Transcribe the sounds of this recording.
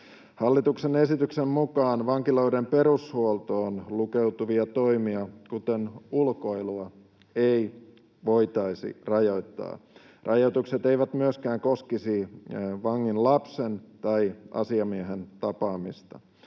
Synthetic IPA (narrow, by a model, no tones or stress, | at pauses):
hɑlːit̪uksene̞sit̪yksemmukɑːnʋɑŋkilo̞idempe̞ɾushuolt̪oːnlukeut̪uʋiɑt̪o̞imiɑkut̪enulko̞iluɑ | ei | ʋo̞jt̪ɑisḭrɑjo̞it̪ːɑ̰ː | rʔɑjo̞it̪ukset̪e̞iʋæt̪myøskæːŋko̞skisiʋɑŋːinlɑpsent̪ɑiɑ̰siɑmieɦent̪ɑpɑːmist̪ɑ̰